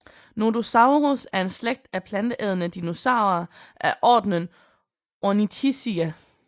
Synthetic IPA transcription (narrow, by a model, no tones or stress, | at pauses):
nodosɑ̈ʊʁosæɐe̝nsleɡ̥̚d̥æpʰlænd̥əʔɛð̞ˠənəd̥ino̝sɑ̈ʊ̰ɐʔæʔɒ̰ːd̥nən | onit͡sʰisiæ